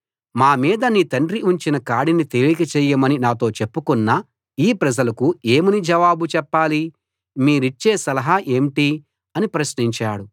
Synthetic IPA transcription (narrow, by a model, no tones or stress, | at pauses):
maːmiːd̪ɐniːt̪ɐɳɖɾiʔuɲt͡ʃinɐkaːɽinit̪elikɐt͡ʃɛːjɐmɐninaːt̪o̞ːt͡ʃepːukunːa | iːpɾɐd͡ʒɐlɐkueːmunid͡ʒɐʋaːbut͡ʃɛpːaːli | miːɾuit͡ʃːeːsɐlɐɦɐʔe̞ːmʈi | ɐnipɾɐsniɲt͡ʃa̰ːɽu